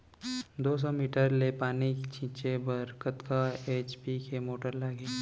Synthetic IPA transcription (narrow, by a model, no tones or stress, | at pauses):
d̪oːs̬ɔmiːʈəɾlepaːnit͡ʃʰĩːt͡ʃebəɾkət̪kaeːt͡ʃpikʰemoːʈəɾlaːɡeː